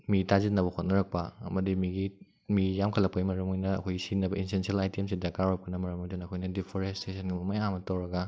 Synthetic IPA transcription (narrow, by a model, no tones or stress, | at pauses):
mitazit̚nɐbɐkʰot̚nɐɾɐk̚pɐɐ̰mɐdimiɡi | mijamkʰɐlɐk̚pɐjmɐɾɐmojnɐɐkʰojsinɐbɐinsensielajtiemsidakawɾɐp̚kʰɐnɐmɐɾɐmɐdunɐkʰojnɐdipʰoɾestesʰɐnɡimɐmajamɐtɐwɾɐɡɐ